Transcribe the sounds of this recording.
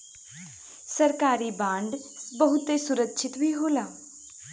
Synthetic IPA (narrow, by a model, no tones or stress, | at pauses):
səɾkaːɾiːbãːɳɖbəɦʊt̪esʊɾəkʃʰɪt̪bʱiːɦoːlaː